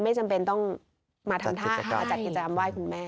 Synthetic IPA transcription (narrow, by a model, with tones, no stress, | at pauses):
ma˥˩jt͡ɕa˧mpe˧nt̪ɔ˥˩ŋ | maː˧t̪ʰa˧mt̪ʰaː˥˩ʔʰa˥˩a˧˩kt͡ɕa˨˩ki˨˩t͡ɕːa˧ka˧mwaː˥˩jkʰu˧nmɛː˥˩